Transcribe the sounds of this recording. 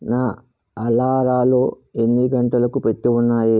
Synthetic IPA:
naː | ɐlaːɾaːloː | e̞nːiɡɐɳʈɐlɐkupe̞ʈːiunːaːji

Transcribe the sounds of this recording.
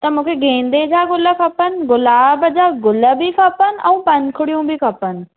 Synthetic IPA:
t̪ɐmũːkʰeɡẽːnd̪ed͡ʑaːɡʊləkʰɐpənɪ̆ɡʊlaːbəd͡ʑaːɡʊləbʱikʰɐpən̆ɛ̃ũpɐnkʰʊɽijũbʱikʰɐpənɪ̆

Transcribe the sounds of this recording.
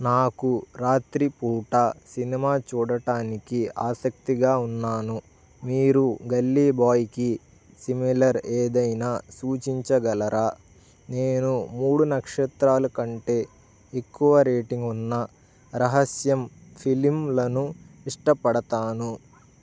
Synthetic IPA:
naːkuɾaːt̪ɾipuːʈaːsinimaːt͡ʃuːɽɐʈaːnikia̰ːsɐk̚t̪iɡaːunːaːnu | miːɾuɡɐlːiːbaːjiki | similɐɾeːd̪ɐjnaːsuːt͡ʃiɲt͡ʃɐɡɐlɐɾaː | ne̞ːnumuːɽunɐkʂɐt̪ɾaːlɐkɐɳʈe̞ː | ekːuʋɐɾeːʈiŋɡunːɐ | ɾɐɦɐsjɐmpʰilimlɐnu | iʂʈɐpɐɽɐt̪aːnu

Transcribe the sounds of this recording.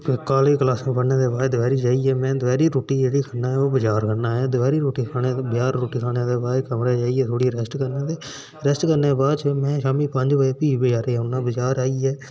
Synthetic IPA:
pkaːliːklaːsãːpəɽneːd̪eːbaːɾd̪ʊʋɛːɾiːd͡ʒaːiːɛːmɛ̃ːd̪ʊʋɛːɾiːɾoːʈiːd͡ʒeːɽiːkʰənːaːɦɛːoːbəd͡ʒaːɾkʰənaːɦɛːd̪ʋɛːɾiːɾoːʈiːkʰaːɽ̃eːbjaːɾːoːʈiːkʰaːɽ̃eːd̪eːbaːɾkəmɾeːd͡ʒaːiːɛːt̪ʰoːɽiːɾɛsʈkəɾneːt̪eː | ɾɛsʈkəɾneːbaːd̪t͡ʃəmɛ̃ːʃaːmiːpə̃ɲd͡ʒʋaːeːpiːbeːd͡ʒaːɾeːɛːʊnːãːbəd͡ʒaːɾaːiːɛː

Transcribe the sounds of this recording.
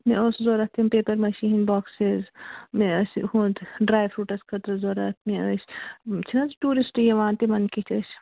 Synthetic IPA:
mẽʔoszoːɾɐt̪ʰːimpeːpɐɾmɐʃinbɔːksezmeɐshũt̪ɖɾaːjʋɾuːʈɐskʰɐt̪ɾɐzoːɾɐt̪ʰmẽɐst͡ʃʰinɐzʈuːɾisʈjɐʋaːnt̪emɐnkit͡ʃʰɐʃ

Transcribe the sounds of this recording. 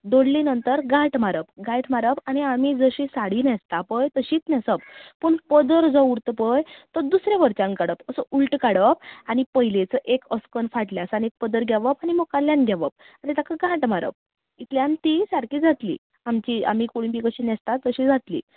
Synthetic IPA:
d̪oɽlinənt̪əɾɡãʈmaɾəp̚ɡʱãjʈ̪maɾəpañiamid͡zəɕisaɽiːnɛst̪apəjt̪əɕiːt̪nɛsəp̚pəɳpəd̪əɾd͡zəuɾt̪pəjt̪əd̪usɾaʋəɾt͡ɕãŋkaɽəpəsəʔuɭʈkaɽəp̚aɽipəɦjlet͡səʔekəskənfaʈljasanek̚pəd̪əɾɡʱjaʋəpañimokaljanɡʱaʋəp̚ | anit̪akʰaɡãʈmaɾə̰p̚ | it̪ljãnt̪isaɾkiːd͡zat̪lḭː | amt͡ɕia̰m̤iːkoɽũpikəɕiːnɛst̪at̪ːəɕiːd͡zat̪lḭː

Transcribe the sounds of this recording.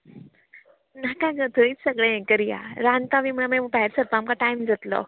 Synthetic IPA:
nakaɡət̪ʰəit͡ssəɡɭẽẽkəɾija̰ɾant̪aʋimamãubaɦɛɾsəɾpamkaʈajmd͡zət̪lɔ̰

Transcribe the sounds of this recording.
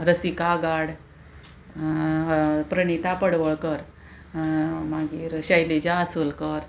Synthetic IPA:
ɾəsikaɡaɽ | pɾəɽ̃it̪apəɽʋəɭkəɾ | maɡiːɾɕəjled͡ʑaːsulkəɾ

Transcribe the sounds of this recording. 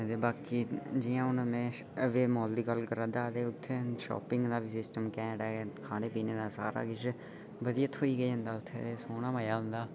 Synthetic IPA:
d̪eːbaːkiːd͡ʒɪjãːʊnmɛ̃ː | ʋeːmɔːld̪iːkəlkəɾad̪aːd̪eːʊt̪ʰːẽːʃɔ̰ːpɪ̃ŋɡd̪aːbiːsɪsʈəmkɛ̃ːnɖaːkʰaːneːpiːneːd̪aːsaːɾa̰ːɡɪt͡ʃ | bəd̪iːət̪ɦoːiːɡəiːɦʊ̃nd̪aːʊt̪ʰːḛesoːnaːməjaːɦʊ̃nd̪aː

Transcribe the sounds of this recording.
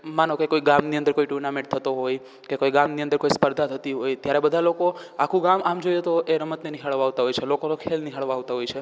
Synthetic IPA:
manokekoiɡamniənd̪əɾkoiʈuɾnamẽʈ̚t̪ʰət̪oɦoj | kekoiɡamniənd̪əɾkoispəɾd̪ʱat̪ʰət̪iɦojt̪jaɾɛbəd̪ʱalokoakʰũɡamamd͡ʒojet̪oʔeɾəmət̪neniɦaɭʋaːʋt̪aɦojt͡ʃʰelokonokʰelniɦaɭʋaaʋt̪aɦojt͡ʃʰe

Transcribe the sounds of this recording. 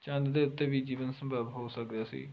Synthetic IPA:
t͡ʃə̃nd̪d̪eːʊt̪ːẽːʋiːd͡ʒiːʋənsə̃mbʱəbɦoːsəkd̪eaːsḭː

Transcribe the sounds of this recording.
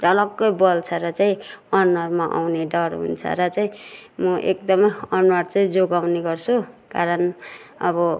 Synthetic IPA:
rʌlʌɡʌjbʌlt͡sʰʌɾʌt͡saĩʌnːʌrmaʔa̰wneɖʌrɦṵnt͡sʰʌ̰ɾʌt͡saĩmʌʔek̚d̪ʌmʌjʌnuwaɽt͡saĩd͡zoɡawneɡʌrt͡sʰukaɾʌn | ʌ̰bʌ

